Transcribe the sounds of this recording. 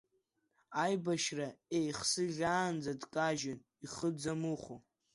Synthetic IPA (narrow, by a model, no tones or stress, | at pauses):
ajbaʃraejχsɨʒʲaːnd͡zadkʼaʒɪn | iχəd͡zamuχo